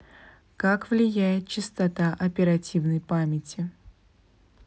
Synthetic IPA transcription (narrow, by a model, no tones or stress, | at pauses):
kakvlʲɪjæjɪt̪̚t͡ɕɪst̪ɐt̪aʔɐpʲɪɾɐtʲivnəjpamʲɪtʲɪ